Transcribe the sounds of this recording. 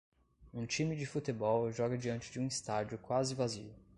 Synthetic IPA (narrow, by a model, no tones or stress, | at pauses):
ũt͡ʃĩmɪd͡ʒɪfut̪ebɔwʒɔɡɐd͡ʒiɐ̃nt͡ʃɪd͡ʒɪũist̪ad͡ʒʊkwazɪvazḭʊ